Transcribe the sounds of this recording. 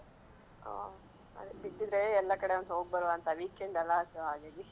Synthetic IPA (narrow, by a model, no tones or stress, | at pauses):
o̰ː | ɐ̰d̪biʈːid̪ɾeɛlːɐkɐɽeɐnd̪ɦoːɡ̚bɐɾʋaːnt̪ɐʋiːkeɳɖɐlːasɐʋɦaːɡed̪i